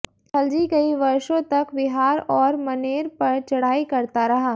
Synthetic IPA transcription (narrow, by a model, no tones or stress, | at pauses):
kʰɐld͡ʒikɐiʋɐɾʃõt̪ɐkʋɪɦaːɾɔːɾmɐneːɾpɐɾt͡ʃɐɽ̤aːikɐɾt̪aɾɐɦaː